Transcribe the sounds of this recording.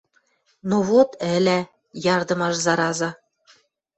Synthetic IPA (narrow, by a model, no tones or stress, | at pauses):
noβot̪ɘ̆lʲæ | jɑrd̪ɤ̆mɑʃzɑɾɑzɑ